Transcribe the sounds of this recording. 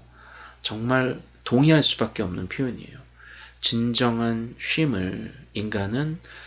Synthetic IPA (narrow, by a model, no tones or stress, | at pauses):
t͡ɕʌŋmaɭ | toŋiɦaɭs͈ubak͈e̞ʌmnɯnpʰjoiɲiḛjo | t͡ɕind͡ʑʌŋɦanɕ͈ʰɥimɯɭinɡanɯn